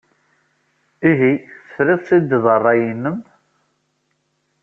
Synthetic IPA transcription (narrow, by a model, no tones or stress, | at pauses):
iɦiθə̥fɾiðˤsid̪ðˤərˤːɑjinːəm